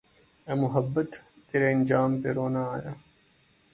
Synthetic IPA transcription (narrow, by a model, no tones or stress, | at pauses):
eːmʊɦɐbːət̪ː | eːɾeɐnd͡ʒaːmpeɾoːnaaːjaː